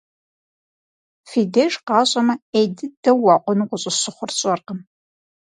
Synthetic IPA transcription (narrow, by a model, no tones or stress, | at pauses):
fiːdeʒqɑːɕʼɐmɐejdɨd̥ɐwɑːqʷʊnuqʷʊɕʼɪɕɨχʷʊrɕʼɐrqəm